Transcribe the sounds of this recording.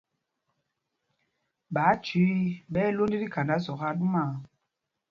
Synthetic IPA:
ɓaː˨˦t͡ʃi˨˦i˦ɓɛː˦lo˦ndi˦ɾi˦ka˨nda˨˦sɔ˨ka˦ɗu˦ma˨˦˨

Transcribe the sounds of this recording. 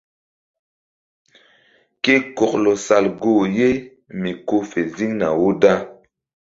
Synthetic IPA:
ke˦kɔ˨klɔ˨sa˨lɡo˦˨je˦ | mi˨ko˦fe˨zi˦ŋna̰˨wo˦da˦

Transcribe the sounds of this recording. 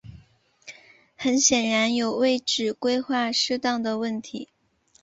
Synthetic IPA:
xə˧˥nɕjɛ˨˩nɻa˧˥njo˨˩ʊwe˥˩ɪʈ͡ʂɻ̩˨˩kwe˥ɪxwa˥˧ʂɻ̩˥˧t̪ɑ˥˩ŋd̪ə˩wə˥˩nt̪ʰi˧˥

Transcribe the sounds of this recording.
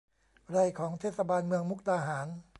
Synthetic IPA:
ɾa˧˩jkʰɔː˩˦ŋt̪ʰeː˥˩t̪sa˧baː˧nmɯ˧əŋmu˦˥k̚t̪aː˧ɦaː˩˦n

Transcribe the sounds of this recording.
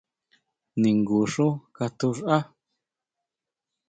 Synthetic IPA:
nĩ˨ŋɡu˨ʂu˦ka˧t̪u˧ʂʔa˦

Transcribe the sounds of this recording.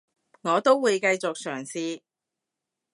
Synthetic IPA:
ŋɔː˨˧t̪o˥wːuː˨˧jkɐ˧jt͡sʊ˨k̚sœː˨˩ŋsiː˧

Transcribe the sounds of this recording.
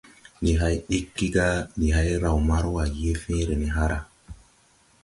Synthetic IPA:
ni˨ɦa˨ji˦kːi˦ɡa˦ni˨ɦa˦jɾa˨wma˦ɾo˦wa˨je˦fĩ˦ɾe˨ni˨ɦa˦ɾa˨

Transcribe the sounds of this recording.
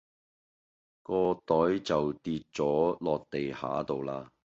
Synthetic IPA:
kɔː˧t̪ɔː˨˥jt͡sɐ˨wt̪iː˧t̚t͡sɔː˨˥lɔː˨k̚t̪e˨jha̰ː˨˥t̪o˨wlaː˧

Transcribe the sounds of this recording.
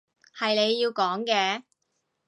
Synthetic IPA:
hɐ˨jne˨˧jːiː˧wkɔː˨˥ŋkɛː˧

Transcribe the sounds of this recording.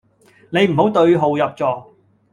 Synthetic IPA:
ne˨˧jm̩˨˩ɦo˨˥wt̪ɵ˧ɥɦo˨˧wjɐ˨p̚t͡sɔː˨

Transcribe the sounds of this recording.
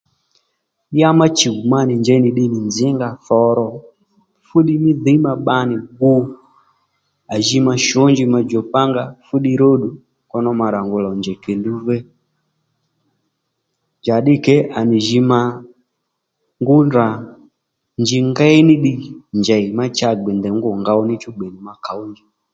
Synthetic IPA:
ja˦ma˦t͡ʃi˨ɡu˨ma˦ni˨nd͡ʒɛ˨i˦ni˨ɗi˦ni˨nzi˦ŋɡa˨fɔ˨ɾɔ˨ | fu˦ɗi˦mi˦ði˨˦i˦ma˨ɓa˦ni˨ɡu˦ | a˨ʒi˦ma˨ʃɔ˦nd͡ʒi˨ma˨d͡ʒɔ˨pa˦ŋɡa˨fu˦ɗi˦ɾɔ˦ɗu˨ | kɔ˦nɔ˦ma˨ɾa˨ŋɡu˨lɔ˨nd͡ʒɛ˨kɛ˨ndu˦vɛ˦ | d͡ʒa˨ɗi˦kɛ˦ʔa˨ni˨ʒi˧ma˨ | ŋɡu˦nɾa˨ | nd͡ʒi˨ŋɡa˦i˦ni˦ɗi˦nd͡ʒa˨i˨ma˦t͡ʃa˦˨ɡ͡bɛ˨ndɛ˨ŋɡɔ˦˨ŋɡa˦u˦ni˦t͡ʃu˦ɡ͡bɛ˨ni˨ma˦ka˨u˦nd͡ʒi˦

